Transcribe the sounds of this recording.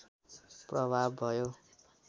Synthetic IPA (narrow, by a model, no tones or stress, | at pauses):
prʌbʱabːʱʌjo